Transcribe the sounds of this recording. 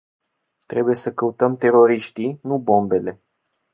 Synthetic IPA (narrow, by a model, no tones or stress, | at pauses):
t̪ɾe̞buje̞səkəut̪əmt̪e̞ɾo̞ɾiʃt̪inubo̞mbe̞le̞